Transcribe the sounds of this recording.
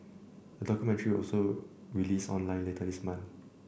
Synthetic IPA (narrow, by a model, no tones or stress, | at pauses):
d̥ədɔkjumɛ̃ntəɹiwɔ̰lsoɹilisɔ̰̃nlãɪ̃nletʰəlismãn